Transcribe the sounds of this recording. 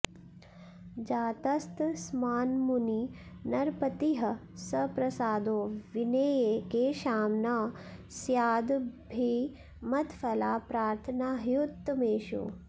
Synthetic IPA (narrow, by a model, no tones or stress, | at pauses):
d͡ʒaːt̪ɐst̪smaːnmuninɐɾpɐt̪iɦɐ | sɐpɾɐsaːd̪oːʋineːjeːkeːʃaːmnasjaːd̪bʱi | mɐt̪fɐlaːpɾaːɾt̪ʰɐnaːɦjut̪ːmeːʃṵ